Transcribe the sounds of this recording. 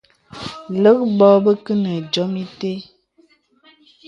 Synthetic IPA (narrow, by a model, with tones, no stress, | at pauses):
lə˦k̚bɔ˦bə˦kə˦nə˨d͡ʒɔ˨˦mi˦te˦